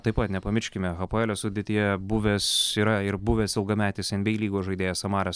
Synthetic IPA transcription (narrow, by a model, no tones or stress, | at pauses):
t̪ɐɪppɐt̪nʲɛpɐmʲɪʃʲkʲɪmʲɛɣɐpoɛlʲɛsʊd̪ʲet̪ʲijɛbʊʋʲesiːɾɐɪɾbʊʋʲeːsɪlˠɡɐmʲæːt̪ʲeːsʲɪnbʲɛɪlʲiːɡoːʒɐɪd̪ʲeːjɛssɐmɑːɾʲɐs